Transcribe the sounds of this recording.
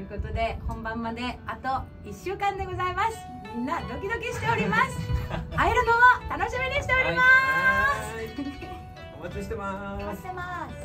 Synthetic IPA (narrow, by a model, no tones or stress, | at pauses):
ɯ̟ko̞t̪o̞d̪e̞hõ̞mbãmːad̪e̞at̪o̞ | iɕːɨːkãnd̪e̞ɡo̞zaimasɨ̥ | mʲĩnːad̪o̞kʲid̪o̞kʲiɕi̥t̪e̞o̞ɾʲimasɨ̥aiɾɯnomot̪ano̞ɕimʲiɲ̟iɕi̥t̪e̞o̞ɾʲimas | omat͡ɕiɕi̥t̪emaḁemas